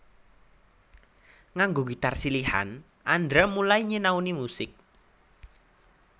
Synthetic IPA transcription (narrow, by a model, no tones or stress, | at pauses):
ŋaŋɡoɡit̪arsiliha̰n | ʔandɾamulaiɲenaunimusɪk̚